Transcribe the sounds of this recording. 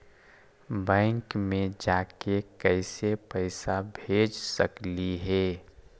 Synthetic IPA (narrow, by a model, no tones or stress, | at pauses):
bɛ̃ɪŋkmẽd͡ʒaːkekɛɪsepəɪsabʱeːd͡ʒsəkliɦɛː